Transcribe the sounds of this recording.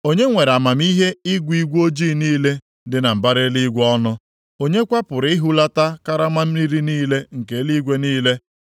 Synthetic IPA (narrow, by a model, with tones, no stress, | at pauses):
o˦ɲe˦ŋʷe˨ɾa˨ma˨m˦i˦ɦe˦i˦ɡʷi˦ɡʷo˦d͡ʒiː˦˨niː˦le˦ | dɪ˨na˨m̩˨ba˦ɾe˦li˦ɡʷɔ˦nʊ˦ | o˦ɲe˦kʷa˦pʊ˨ɾɪ˦ɦu˦la˦ta˦ka˦ɾa˦ma˦m̩˦ni˦ɾi˦niː˦le˦ŋ̩˨ke˨˦li˦ɡʷe˦niː˦le˦